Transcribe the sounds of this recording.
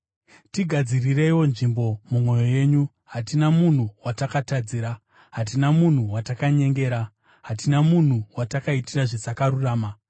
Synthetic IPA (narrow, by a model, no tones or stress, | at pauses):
tiɡʱad͡zirire̞iwo̞nʐimbo̞mumwo̞jo̞je̞ːɲu | ɦatinamun̤uwatakatad͡ziːɾa | ɦat̬inamun̤uwatakaɲe̞ŋɡe̞ːɾa | ɦatinamun̤uwatakaitiraʐesakaɾuraːma